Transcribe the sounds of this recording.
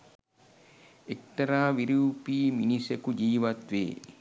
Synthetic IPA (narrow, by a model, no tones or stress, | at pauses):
ek̚t̪ɐɾaːʋiɾuːpiːminisekud͡ʒiːʋat̪ʋḛː